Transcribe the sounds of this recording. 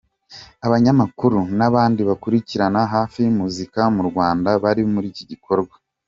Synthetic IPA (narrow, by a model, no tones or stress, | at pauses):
aβaɲamakuɾunaβaːndiβakuɾiciɾanaɦaːfimuzikamuɾɡwaːndaβaɾimuɾiːciɟikʰo̞ɾɡwa